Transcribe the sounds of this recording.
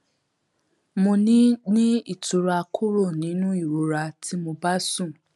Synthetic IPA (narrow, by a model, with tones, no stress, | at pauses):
mo˧nĩ˦nĩ˦i˦˨tu˨ɾa˧kʰu˦ɾo˦˨nĩ˨˦nũ˦i˦˨ɾo˨˦ɾa˧tʰi˦mo˧ba˦sũ˦˨